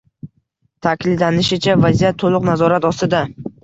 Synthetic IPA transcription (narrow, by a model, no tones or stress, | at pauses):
t̪ʰakʲlɪd̪lanɪʃɪt͡ʃʰavazijat̪ʰːolˠʊqnazɒɾat̪ɒst̪ɪd̪a